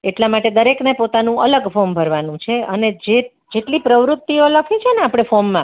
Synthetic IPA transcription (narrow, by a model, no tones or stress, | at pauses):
eʈlamaʈed̪əɾeknepot̪anũʔələɡfombʱəɾʋanũt͡ʃʰeəned͡ʒe | d͡ʒeʈlipɾəʋɾʊt̪ːioləkʰit͡ʃʰeneapɽ̃efomːã